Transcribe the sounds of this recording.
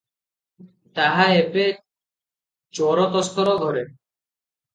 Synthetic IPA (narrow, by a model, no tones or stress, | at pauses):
t̪aɦaepe | t͡ɕɔɾɔt̪ɔst̪ɔɾoɡ̪ʱɔɾe